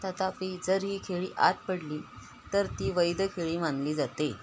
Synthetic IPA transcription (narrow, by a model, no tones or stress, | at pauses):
t̪at̪apiːd͡zəɾɦiːkʰeɭḭːʔat̪̚pəɽliː | t̪əɾt̪iːʋəjd̪əkʰeɭiːmanliːd͡zat̪e